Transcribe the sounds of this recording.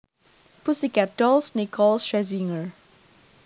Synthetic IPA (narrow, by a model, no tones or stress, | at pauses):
pusikadɔlsnikʰɔlʃɹɛziŋəɹ